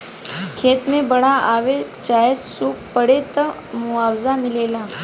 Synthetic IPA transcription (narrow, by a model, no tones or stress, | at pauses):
kʰet̪mebəɽaʔaʋekt͡ɕajessuːk̚pəɽet̪ə | muawd͡zamilela